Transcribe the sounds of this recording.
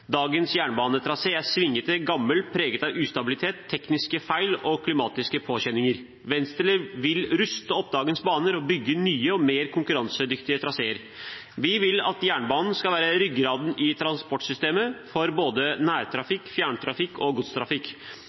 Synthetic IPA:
d̪ɑːɡənsjæːɳbɑːnət̪ʰɾɑseːæsʋɪŋːət̪əɡɑmːəlpʰɾeːɡət̪ɑʋʉːst̪ɑbɪlɪt̪ʰeːt̪ʰːɛknɪskəfæɪlɔkʰlɪmɑːt̪ɪskəpʰoːçɛnːɪŋəɾ | ʋɛnst̪əɭəʋɪlɾʉst̪əɔp̚ːd̪ɑːɡənsbɑːnəɾɔbʏɡːənyːəɔmeːɾkʰʊŋkʉɾɑnsəd̪ʏkt̪ɪət̪ʰɾɑseːəɾ | ʋɪʋɪlɑ̰t̪jæːɳbɑːnn̩skɑʋæːɾəɾʏɡɾɑːd̪nɪt̪ʰɾɑnspɔʈːsʏst̪eːməfɔɾboːd̪ənæːɾt̪ʰɾɑfɪkːfjæːɳt̪ʰɾɑfɪkːɔɡʊt̪st̪ʰɾɑfɪkː

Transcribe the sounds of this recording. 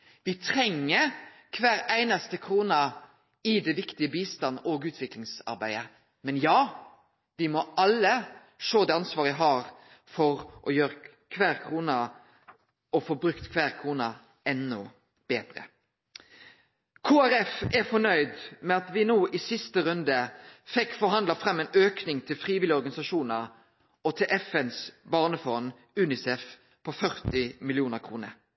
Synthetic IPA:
ʋɪt̪ʰɾɛŋːəkʰʋæːɾæɪnɑst̪əkʰɾuːnɑ | ɪd̪ɛʋɪkt̪ɪəbiːst̪ɑnoːɡʉːt̪ʰʋɪklɪŋsɑ̰ɾbæɪə | mɛnjɑː | ʋɪmɔɑlːə | ʂoːd̪ɛːɑnsʋɑːɾəɪɦɑɾ | fɔɾʔɔjøːɾə | kʰʋæːɾkʰʁuːnɑ | ɔfoːbɾʉkt̪kʰʋæːɾkʰʁuːnɑ | ɛnːʊ | b̥eːd̪̥ɾə̰ | kʰoːæɾɛfɛfɔnœʏd̪mɛɑt̪ʋɪnoːʔɪsɪst̪əʁʉnd̪əfɛkːfɔɾɦɑnd̪lɑfɾɛmːɛːnøːknɪŋt̪ʰɪlfɾiːʋɪlɪɔɾɡɑnɪsɑʃuːnəʁ | ɔt̪ʰɪlʔɛfɛnsbɑːʁnəfɔn | ʉːnɪsɛf | pʰɔfœʁt̪ɪmɪlɪuːnəɾkʰʁuːnə̰ɾ

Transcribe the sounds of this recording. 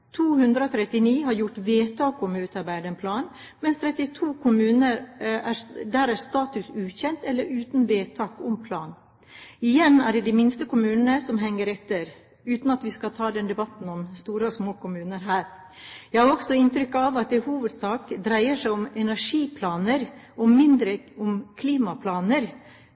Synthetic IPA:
t̪ʰuːhʉnd̪ɾəɔt̪ʰɾɛt̪ːɪniːɦɑɾjʊʈʋeːt̪ʰɑːkɔmʉːt̪ɑɾbæɪd̪əənpʰlɑːn | mɛnst̪ʰɾɛt̪ːɪt̪ʰuːkʰʊmʉːnəɾæɾd̪æːɾæɾst̪ɑːt̪ʉsʉːçɛnt̪ɛlːəɾʉːt̪nʋeːt̪ʰɑːkɔmpʰlɑːn | ɪjɛnæɖɛːd̪imɪnst̪əkʰʊmʉːnənəsɔmɦɛŋːəɾɛt̪ːəɾ | ʉːt̪n̩ɑt̪ʋɪskɑt̪ʰɑːd̪ɛnd̪ɛbɑt̪n̩ɔmst̪uːɾəsmoːkʊmʉːnəɾɦæːɾ | jæhɑɾɔɡ̥sɔɪnt̪ɾʏkːɑʋɑt̪̚d̪ɛhuːʋəd̪sɑːkd̪ɾæɪəʂæɪʊmɛnæʂiːpʰlɑːnəɾ | ɔmɪnd̪ɾəʊmkʰliːmɑpʰlɑːnəɾ

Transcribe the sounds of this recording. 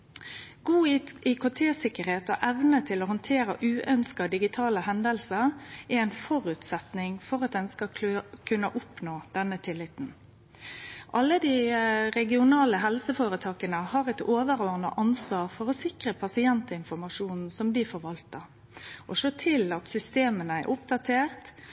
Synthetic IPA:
ɡuːikʰʊt̪ʰeːsɪkəʁheːt̪ɔʔɛʋnət̪ʰɪlɔɦɔnt̪ʰeːɾə̰ʔʉːʔœnskɑd̪ɪɡɪt̪ʰɑːləhɛnd̪əlsəʁɛɛɪnfɔɾʉt̪sɛt̪nɪŋfɔɾɑt̪̚d̪ɛnskɑkʰʉnːəʔʊpnoːd̪̥ɛnət̪ʰɪlːɪt̪n̩ | ʔɑlːəd̪iɾɛɡɪʊnɑːləɦɛlsəfoːɾət̪ʰɑːkənəhɑʁɛt̪oːʋəɾoːʁnə̰ʔɑnsʋɑːʁfɔɾɔsɪkʁəpʰɑsɪɛnt̪ɪnfɔɾmɑʂuːnn̩sɔmd̪ɪfɔɾʋɑlt̪əʁ | ʔɔʂoːt̪ʰɪlɑt̪sʏst̪eːmənəɛ̰ɾʔʊp̚d̪ɑt̪ʰeːʁt̪

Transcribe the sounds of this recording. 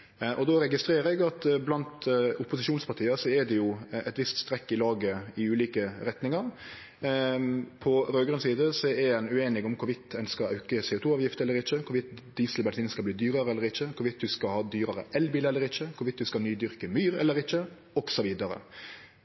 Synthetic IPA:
ʔɔd̪ɔɾɛɡɪst̪ɾeːɾəɛɡɑt̪blɑnt̪ʊpːʊsɪʃuːnspʰɑʈ̪ʰiːəsɔɛd̪ɛjʊʔɛt̪ʋɪst̪st̪ɾɛkːɪlɑːɡəɪʉːliːkəɾɛt̪nɪŋɑɾ | pʰɔɾøːɡɾʉnsiːd̪əsɔɛɛɛnʉeːnɪɡɔmkʰʊɾʋɪt̪ʰːɛnskɑɾɑ̰ʉkəsɛːʊːt̪ʰuːɑːʋjɪft̪əɛlːəɾɪçəkʰʊʋɪt̪d̪iːsəlbɛlsiːnskɑbliːd̪yːɾəɾəɛlːəɾɪçəkʰʊʋɪt̪ːd̪ʉskɑhɑːd̪yːɾɑɾə̰ʔɛlbiːləɛlːəɾɪçəkʰʊʋɪt̪̚d̪ʉskɑnyːd̪ʏɾkəmyːɾɛlːəɾɪçːə | ɔksɔʋiːd̪ɑɾə̰

